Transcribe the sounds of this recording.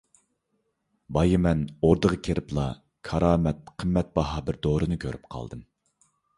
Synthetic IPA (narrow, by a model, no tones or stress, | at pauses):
bɑjimɛnoɾd̪əʁəkʲʰeɾʔɪplˠɑ | kʰɑɾɑːmɛt̪̚qʰəmːɛt̪̚bɑɦɑbɪɾd̪oɾɨnɨkʲʰøɾyp̚qʰɑ̰lˠd̪ɨm